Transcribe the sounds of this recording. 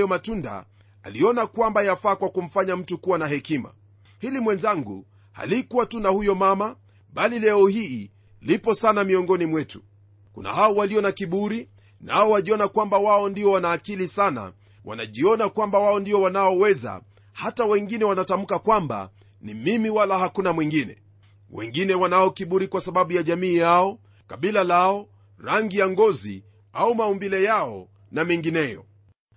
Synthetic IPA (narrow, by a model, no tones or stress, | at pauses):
jɔmatunda̰ | a̰liɔnakwambajafaːkwakum̩faɲam̩tukuwanahɛkima̰ | hilimwɛnzaŋɡṵ | ha̰likuwatunahujɔmama | ɓalilɛɔhiː | lipɔsanamiɔŋɡɔnimwɛtu̥ | kṵna̰haɔwaliɔnakiɓuɾi | naɔwaʄiɔnakwambawaɔndiɔwanaːkilisana̰ | wa̰na̰ʄiɔnakwambawaɔndiɔwanaɔwɛza̰ | hatawɛŋɡinɛwanatam̩kakwamba̰ | nimimiwalahakunamwiŋɡinɛ̰ | wɛ̰ŋɡinɛwanaɔkiɓuɾikwasaɓaɓujaʄamiːjaɔ | kaɓilalaɔ | ɾaŋɡijaŋɡɔzḭ | aumaumbilɛjaɔ | namiŋɡinɛjɔ̰